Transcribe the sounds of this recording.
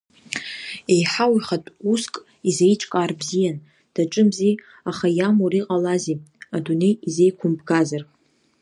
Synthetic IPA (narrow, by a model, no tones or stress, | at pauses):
e̞jħawiχatʼuskʼ | izejʈ͡ʂʰʼkʼaːrbzijan | d̥aʈ͡ʂʼɨmzi | aχajamuriqʼalaziadune̞jizejkʷʰʊmbɡazar